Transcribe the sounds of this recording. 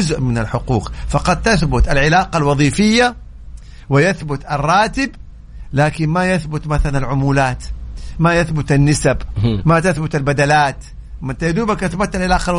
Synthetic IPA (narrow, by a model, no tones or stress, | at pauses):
ʊzʔmɪnalħʊqṵːqfɑqɑd̪̚t̪aθbʊt̪alʕɪlaːqɑlwɑðˤiːfɪjːa | wɪjaθbʊt̪ɑrˤːɑːt̪ɪb | laːkɪnmajaθbʊt̪maθalanalʕʊmuːlaːt̪majaθbʊt̪anːɪsabmat̪aθbʊt̪albad̪alaːt̪ | mɪnt̪ajad̪uːbakʔaθbʊt̪ːalʕɪlaːqɑl